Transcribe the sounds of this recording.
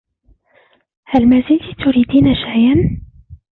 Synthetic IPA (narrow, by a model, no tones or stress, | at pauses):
halmazɪd̪it̪ʊɾiːd̪iːnaʃajʔan